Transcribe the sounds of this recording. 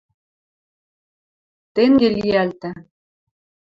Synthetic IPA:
t̪eŋɡeliælt̪ɘ̆

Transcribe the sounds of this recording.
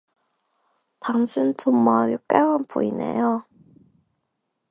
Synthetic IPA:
paŋsʰɯntʰumːaɾɯk͈eanpo̰inḛjo

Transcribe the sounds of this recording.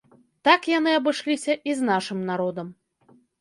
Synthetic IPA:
t̪akjan̪ɨɐbɨʂlʲisʲɐʔiznaʂɨmnaɾɔd̪ɐm

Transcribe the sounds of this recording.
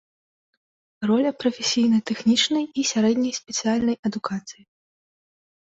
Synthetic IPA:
rɔlʲɐpɾɐfʲesʲijnɐt̪ɛxnʲit͡ʂnɐjisʲaɾɛd̪ʲnʲɐjsʲpʲɛt̪sɨjalʲnɐjɐd̪ukat̪sɨji

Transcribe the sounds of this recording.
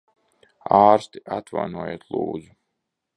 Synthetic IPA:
aːɾst̪iʔat̪va̰jnuɔjḛːt̪lˠṵːd̪zu

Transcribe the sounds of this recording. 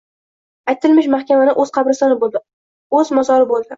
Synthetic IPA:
ajt̪ʰɪlmɪʃmahkʲamanɪʔɵzqʰɑbɾɪsɒnɪbolˠd̪ɪ | ɵzmazɒɾɪbolˠd̪ɪ

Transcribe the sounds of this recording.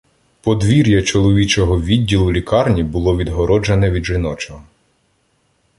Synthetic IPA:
pɔd̪ʋʲiɾʲjɐt͡ʃɔlˠɔʋʲit͡ʃɔɦɔʋʲidʲːilˠʊlʲikɑrnʲibʊlˠɔʋʲid̪ɦɔɾɔd͡ʒɐnɛʋʲid̪ʒɪnɔt͡ʃɔɦɔ

